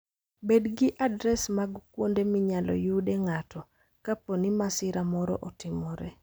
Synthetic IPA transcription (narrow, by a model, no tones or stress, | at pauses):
bedɡɪʔadɾɛsmaɡkwondemɪɲalɔ̰judeɛŋatʰɔ | kaponimasɪɾamɔɾɔ̰ʔɔtɪmɔɾɛ̰